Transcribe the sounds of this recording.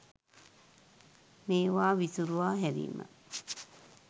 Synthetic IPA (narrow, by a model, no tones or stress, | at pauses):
meːwaːʋisuɾuaːɦeɾḭːma̰